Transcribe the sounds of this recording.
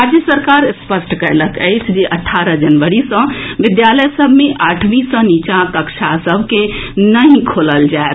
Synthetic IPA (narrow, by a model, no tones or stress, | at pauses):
ad͡ʒjəsəɾkaːɾspəsʈkəɾləkə̰ɪt͡ʃʰd͡ʒeʔɐʈʰːaːɾəd͡ʒənʋəɽisə̃ʋɪd̪jaːləjsəbʱmẽʔaːʈʰmĩsə̃nit͡ʃakəkʃʰasəbʱkenəɦĩkʰoːləld͡ʒaet̪